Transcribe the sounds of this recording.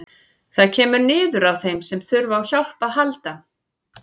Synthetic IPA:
θaðcʰɛːmʏɾnɪːðʏɾawθejmsɛmθʏɾvaːwçawl̥paðɦalt̪a

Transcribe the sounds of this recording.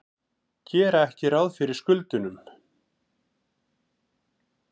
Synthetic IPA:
cʰɛːɾaɛhcɪɾawðfɪɾɪɾ̥skʏlt̪ʏnʏm

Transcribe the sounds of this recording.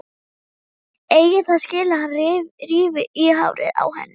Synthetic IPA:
eːjɣɪθaðscɪːlahanrvriːvɪʔiːɦa̰wɾɪ̰ða̰whɛ̰nːɪ

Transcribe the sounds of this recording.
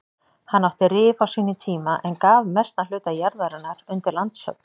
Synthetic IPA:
hanːawht̪ɪɾɪːfawsiːnɪt̪ʰiːmaʔɛnkaːvmɛst̪nal̥ʏːt̪ajaɾvɛɾanaɾʏnt̪ɪɾlant̪sœ̰k̚n̥

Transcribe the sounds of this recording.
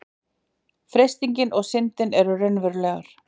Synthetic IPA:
fɾejst̪iɲcɪnɔɣsɪnt̪ɪnɛɾʏrœɥnvʏɾlɛːɣaɾ̥

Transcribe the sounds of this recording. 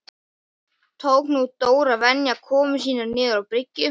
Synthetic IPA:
t̪ʰowknut̪oːwɾavɛnjakʰɔːmʏs̬iːnaɾnɪːðʏɾawpɾɪcːʏ

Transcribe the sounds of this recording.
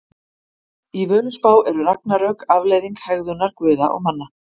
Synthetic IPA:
ivœːlʏspaːwʔɛɾʏɾak̚naɾœkavleːjðiŋkhɛɣðʏnaɾ̥kvʏːða̰ʔɔ̰ɣmanːa

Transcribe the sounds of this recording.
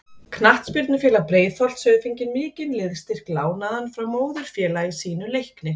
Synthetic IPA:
kʰnaht̪spʏɾt̪nʏfjɛːlapɾeːjðfɔl̥t̪sœːðfiɲcɪnmɪːcɪnlɪðst̪ɪr̥klaːwnaðanfɾawmoːwðʏɾ̥fjɛːlaɪsiːnʏlejhknɪ

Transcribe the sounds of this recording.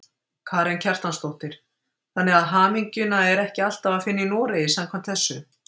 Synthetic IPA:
kʰaːɾɛncʰɛr̥t̪anst̪owht̪ɪɾ̥ | θanːɛɣaðɦaːmiɲcʏnaɛɾɛhcɪal̥t̪avaðfɪnːɪinɔːɾɪisamkʰvamt̪θɛsːʏ

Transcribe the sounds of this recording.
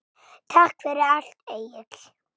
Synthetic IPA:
t̪ʰahkfɛɾɪal̥t̪eːjɪt̪l̥

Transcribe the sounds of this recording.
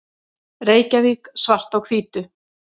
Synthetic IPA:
reːjcaviksvar̥t̪awkʰviːt̪ʏ

